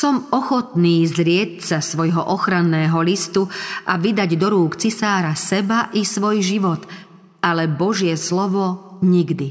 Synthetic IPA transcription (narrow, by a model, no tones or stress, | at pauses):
sɔmɔxɔt̪niːzɾɪɛtsasʋɔjɦɔʔɔxɾanːɛːɦɔlist̪uʔaʋid̪aɟd̪ɔɾuːkt͡sisaːɾasɛbaʔisʋɔjʒiʋɔt̪ | alɛbɔʒɪɛslɔʋɔɲiɡd̪i